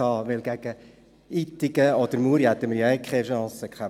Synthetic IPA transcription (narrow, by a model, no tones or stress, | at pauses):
ɑːʋɪlɡæɡ̥ə | it̪ːɪɡ̥əɔd̥̪əɾmuɾihæt̪ːəməɾjɛɪkʰχɛʃɑ̃ːsəkχæ